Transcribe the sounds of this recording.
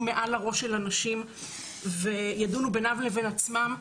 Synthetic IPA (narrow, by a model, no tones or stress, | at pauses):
me̞ʔalaʁo̞ʃelanaʃim | vejadunubenavleve̞nat͡smam